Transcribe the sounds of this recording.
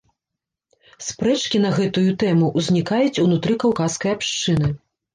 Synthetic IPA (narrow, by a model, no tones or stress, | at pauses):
spɾɛt͡ʂkʲin̪ɐɣɛt̪ujut̪ɛmuʔwzʲnʲikajut͡sʲunut̪ɾɨkawkaskɐjapʂt͡ʂɨnɨ